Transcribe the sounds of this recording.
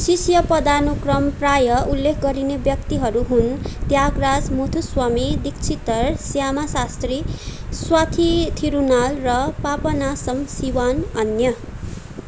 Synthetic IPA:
sisjʌpʌd̪anokrʌmprajʌulːekʰɡʌɾinebjʌkt̪iɦʌɾuɦunt̪jaɡrad͡zmot̪ʰuswamid̪ikt͡sʰit̪ʌrsjamasast̪riswat̪ʰit̪ʰiɾunalrʌpapʌnasʌmsiwanʌnjʌ

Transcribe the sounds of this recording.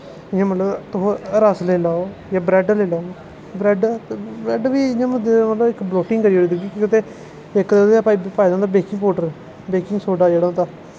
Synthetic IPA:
ɪjãːmət̪ləbt̪ʊɦoːɾəsleːlaːojaːbɾɛːɖleːlaːo | bɾɛːɖt̪ːbɾɛːɖʋiːɪjãːmmət̪ləbɪkbloːʈɪŋɡkəɾiːoːiːd̪uɡikːkɪt̪eː | ɪkd̪ed̪eapaːiːpaːid͡ʒãːnd̪aːbeːkɪŋɡpoːʈəɾɛ | beːkɪŋɡsoːɖaːd͡ʒeːɽãːt̪aː

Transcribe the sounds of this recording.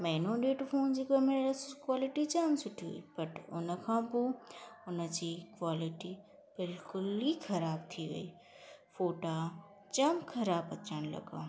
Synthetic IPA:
mɛːnõɖeːʈfoːnd͡ʑiːkɐmeskwaːlɪʈit͡ɕaːmsʊʈʰiṵipɐʈʊnə̆kʰãːpoːʊnə̆d͡ʑiːkwaːlɪʈi | b̥ɪlkʊlixʰɐɾaːb̚t̪ʰiʋɐ̰iː | foːʈa | t͡ɕɐmkʰɐɾaːbɐt̪ʰəɽ̃lɐ̰ɡa̰ː

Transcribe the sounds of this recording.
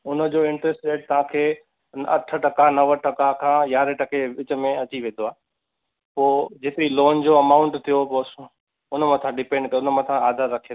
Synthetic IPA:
ʊnə̆d͡ʑoːɪ̃ɳʈɾesʈːeːʈ̚t̪ɐʋ̤ãkʰeː | ɐ̰ʈʰə̆ʈɐkanɐʋəʈɐkakʰãːjaːɾeʈɐkeɪt͡ɕə̆mẽɐt͡ɕiʋẽːnd̪oaː | poːd͡ʑɪt̪ɾiloːnd͡ʑoːɐmaːʊ̃ɳʈt̪ʰijopoːs | ʊnəmãt̪ʰãɖɪpẽːɳɖkɐʊnəmãt̪ʰãaːd̪ʱaɾɐkʰeː

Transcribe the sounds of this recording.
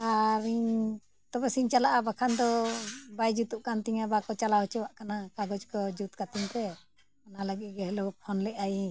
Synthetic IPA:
aɾiɲ | t̪ɔbɛsiɲt͡ʃalaʔabakʰand̪ɔbajd͡ʒut̪uʔkant̪iŋabakɔt͡ʃalaɦɔt͡ʃɔwaʔkanakaɡɔd͡ʒkɔd͡ʒut̪kat̪iŋt̪ɛ | analəɡɛʔɡɛɦɛlɔpʰɔnlɛʔaji

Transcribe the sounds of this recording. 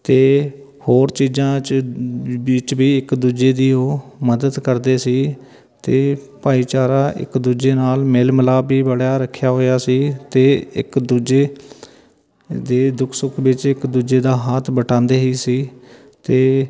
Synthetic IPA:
t̪eː | hoːɾt͡ʃiːzãːt͡ʃ | bɪt͡ʃbiːɪkd̪uːd͡ʒeːd̪iːoːməd̪əd̪kəɾd̪eːsiː | t̪eː | paːiːt͡ʃaːɾaːʔɪ̰kd̪uːd͡ʒeːnaːlmeːlmlaːbiːbəɽaːɾəkʰːjaːɦoːjaːsiːt̪eːɪ̰kd̪uːd͡ʒeː | d̪eːd̪ʊkʰsʊkʰʋɪt͡ʃɪkd̪uːd͡ʒeːd̪aːɦaːt̪ʰbəʈãːnd̪eːɦiːsiː | t̪eː

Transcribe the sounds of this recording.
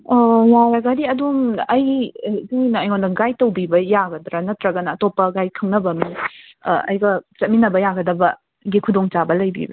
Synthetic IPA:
waɾɐɡadiɐdumɐjziŋinɐɐjondɐɡajtɐwbibɐjaɡɐdɾɐnɐt̪ɾɐɡɐnɐːtopːɐɡajkʰɐŋnɐbɐmi | ɐ̰jɡɐt͡ʃɐt̚minɐbɐjaɡɐdɐbɐ | ɡikʰudoŋt͡ʃabɐlɐjbḭbɐ̰

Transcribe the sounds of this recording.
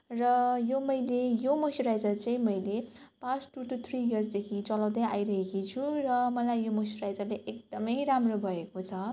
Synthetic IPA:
rʌjomʌjlejomosoɾajd͡zʌrt͡saĩmʌjlepãt͡sʈuʈut̪ʰrijʌrsd̪ekʰit͡sʌlaw̃d̪ʌjʔa̰jɾʌɦekit͡sʰurʌmʌlajjomosoɾajd͡zʌrleʔek̚d̪̥ʌmʌjɾamrobʱʌekot͡sʰʌ

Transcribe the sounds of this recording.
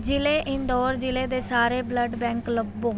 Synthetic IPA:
d͡ʒɪleːʔɪnd̪ɔːɾd͡ʒɪleːd̪eːsaːɾeːbləɖbɛ̃ːŋkləbːõː

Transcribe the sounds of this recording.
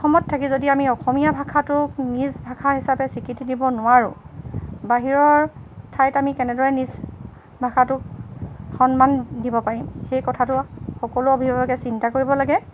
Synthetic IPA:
ɔxɔmɔtʰːakizodiamiɔxɔmijabʱakʰatʊknizbʱakʰaɦisapɛsikitidibɔnʊwaɹʊ̰̃ | baɦiɹɔɹtʰajtamikɛnɛdɔɹɛniz | bʱakʰatʊkxɔnmandibɔpaɹimxejkɔtʰatʊxɔkɔlʊobʱibbaɡɛsintakoɹibɔlaɡɛ

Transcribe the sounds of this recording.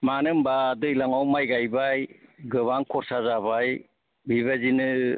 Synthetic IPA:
manɯmbadɯjlaŋawmajɡajbajɡɯβaŋkʰɔɾsazabaj | biβazinɯ

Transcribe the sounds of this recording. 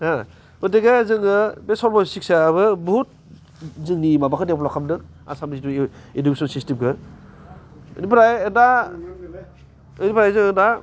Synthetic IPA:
ha | ɯdeɡazɯŋɯbesɔɾbɔsik̚saːβɯbɔɦut̚ | zɯŋnimabakʰɯdeplɔkʰamdɯk | a̰samiziduindubisɔnsistimɡɯ | ɯ̰nipɾajɯda | ɯjnipʰɾajzɯŋɯda

